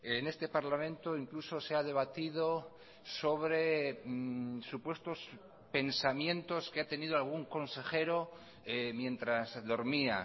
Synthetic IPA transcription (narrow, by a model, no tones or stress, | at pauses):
ene̞st̪e̞paɾlamẽ̞nt̪oiŋkluso̞seaðe̞β̞at̪ið̞o | so̞βɾe̞ | supwe̞st̪o̞s | pe̞nsamjẽ̞nt̪o̞skeat̪e̞nið̞oalɣ̞uŋko̞nse̞xe̞ɾo | mjẽ̞nt̪ɾazðo̞ɾmia